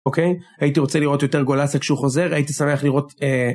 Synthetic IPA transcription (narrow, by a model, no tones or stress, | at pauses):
okejajitiʁo̞t͡seliʁo̞tjo̞te̞ʁɡo̞lasakʃeuχo̞ze̞ʁaitisame̞aχliʁo̞te